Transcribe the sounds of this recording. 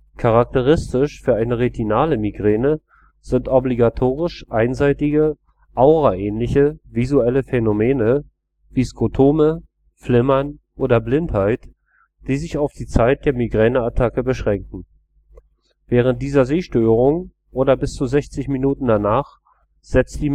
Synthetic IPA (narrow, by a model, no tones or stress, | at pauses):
kʰaʁak̚təʁ̞ɪstɪʃfyːɐʔaɪnəʁetʰinaːləmiɡʁeːnə | z̥ɪntʔɔbliɡatʰoːʁɪʃʔaɪnzaɪtɪɡə | ʔaʊʁaʔɛːnlɪçəvizuɛləfɛnomeːnə | viːskʁotʰoːmə | flɪmɐnʔoːdɐblɪnthaɪt | d̥iːzɪçaʊfd̥iːt͡saɪt̚d̥eːɐmiɡʁɛːnəatʰakəbəʃʁ̥ɛŋkŋ̩ | vɛːʁ̞ənt̚d̥iːzɐzeːʃtøːʁʊŋ | ʔoːdɐbɪst͡suzɛçt͡sɪçminuːtn̩danaːχ | z̥ɛt͡std̥iː